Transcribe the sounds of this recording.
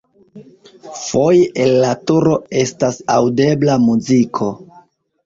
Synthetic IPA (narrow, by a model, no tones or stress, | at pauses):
fo̞jʔelːatuɾo̞e̞stasawde̞blamuzikʰo̞